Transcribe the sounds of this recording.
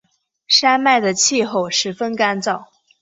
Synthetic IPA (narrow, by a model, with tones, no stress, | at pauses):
ʂa˥nma˥˩ɪd̪ə˩t͡ɕʰi˥˧xo˥˩ʊʂɻ̩˧˥fə˥nka˥nt͡sɑ˥˩ʊ